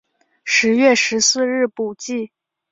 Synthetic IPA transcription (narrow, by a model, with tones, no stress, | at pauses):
ʂɻ̩˧˥ɥɛ˥˩ʂɻ̩˧˥sɹ̩˥˧ɻɻ̩˥˩pu˨˩t͡ɕi˥˩